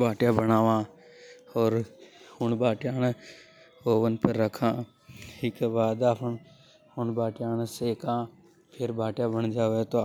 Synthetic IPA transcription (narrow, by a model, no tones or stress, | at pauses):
bʱaːʈjabənaːʋãː | ɔːɾhʊnbaːʈjaːne | oːʋənpəɾːəkʰãː | ikebaːd̪aːpʰən | hʊnbaːʈjaːneseːkãː | pʰɪɾbʱaːʈjabəɳ̃d͡ʒaːʋet̪o